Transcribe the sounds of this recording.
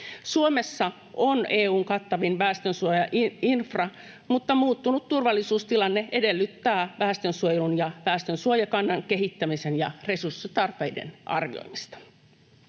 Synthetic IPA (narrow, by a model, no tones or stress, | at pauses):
suomesːɑ | ʔoneːuːŋkɑt̪ːɑʋinʋæːst̪ønsuojɑʔinfrɑ | mut̪ːɑmuːt̪ːunut̪t̪ːurʋɑlːisuːst̪ilɑnːee̞delːyt̪ːæːʋæːst̪ønsuojelunjɑʋæːst̪ønsuojɑkɑnːɑŋke̞ɦit̪ːæmisenjɑre̞sursːit̪ɑrpe̞jdḛnʔɑ̰rʋḭo̰imist̪ɑ̥